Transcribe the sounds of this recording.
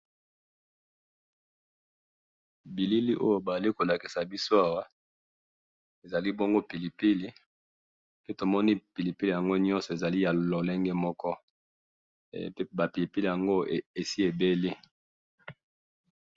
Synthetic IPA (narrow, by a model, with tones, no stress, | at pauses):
bi˨li˦li˦ʔo̰˦jo˦ba˨a˨li˦ko˨la˨ki˨sa˨bi˦so˦a˨wa˦ | e˨za˨li˦bo˦ŋɡo˦pi˨li˨pi˦li˦ | pe˦to˨mɔ˦ni˦pi˨li˨pi˦li˨ja˨ŋɡo˦ɲɔ̃˦nsɔ˨e˨za˨li˦ja˨lo˨le˦ŋɡɛ˦mɔ˦kɔ˦ | ba˨pi˨li˨pi˦li˨ja˨ŋɡo˦e˨si˦e˨be˦li˦